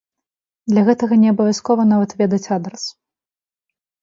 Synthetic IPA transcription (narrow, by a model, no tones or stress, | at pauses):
d̪lʲɐɣɛt̪ɐɣɐnʲɛɐbɐvʲjaskɔvɐn̪avɐt̪vʲɛd̪ɐt͡sʲad̪ɾɐs